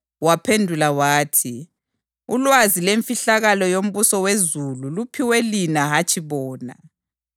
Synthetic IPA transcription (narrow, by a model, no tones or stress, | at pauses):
wapʰendʱulawaːtʰi | ulwazileɱfiɬaɣalɔjom̩βusɔwezululupʰiwelinaɦat͡ʃʼʰiβɔːna̰